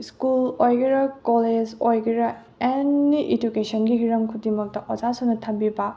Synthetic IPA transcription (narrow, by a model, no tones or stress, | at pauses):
skulojɡiɾɐkoled͡ʒojɡiɾɐ | enːiʔed͡ʒukesɔnɡiɦiɾɐmkʰudimɐk̚tɐʔwɐzasunɐtʰɐmbibɐ